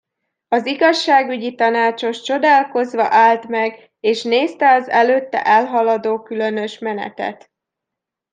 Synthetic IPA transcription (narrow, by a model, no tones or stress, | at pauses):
ɒziɡɒʃːaːɡyɟit̪ɒnaːt͡ʃo̞ʃt͡ʃo̞d̪aːlko̞zʋɒʔaːlt̪mɛɡ | eːʃneːst̪ɛɒzɛløːt̪ːɛ̰ʔɛlɦɒlɒd̪oːkylø̞nø̞ʃmɛnɛ̰t̪ɛ̰t̪